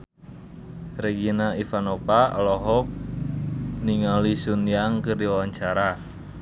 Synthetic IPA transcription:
reɡinaifanopaɔlɔɦɔk̚ | niŋalisunjaŋkərdiwawaɲt͡ʃaɾa

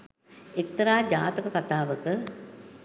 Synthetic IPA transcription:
ekt̪ɐɾaːd͡ʒaːt̪əkəkat̪aːʋəkə

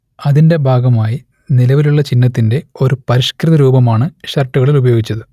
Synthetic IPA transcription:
ɐðinde̞bʱaːɡɐmaːji | nilɐʋiluɭːɐt͡ɕinːɐt̪ːinde̞o̞ɾupɐɾiɕkrɨðɐɾuːbɐmaːɳɨɕɐrʈːuɣɐɭilubɐjo̞ːɡit͡ɕːɐðɨ

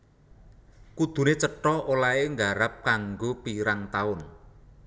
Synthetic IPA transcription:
kud̪̥ṳnet͡ʃəʈɔolaeŋɡaɾap̚kaŋɡopiɾaŋt̪aʊn

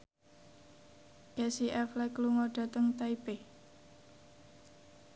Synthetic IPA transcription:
kɛsiʔɛflɛkluŋɔɖ̥a̤t̪əŋt̪aipe

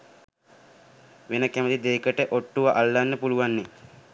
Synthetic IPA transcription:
ʋenəkæməd̪id̪eːkəʈəʔoʈːuʋaʔalːanːəpuluʋanːe

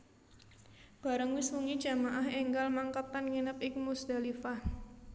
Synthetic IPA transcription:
b̥a̤ɾəŋwiswuŋid̥d͡ʒ̥amaʔahɛŋɡalmaŋkəp̪anŋinəp̚ɪk̚musd̥̪alifah

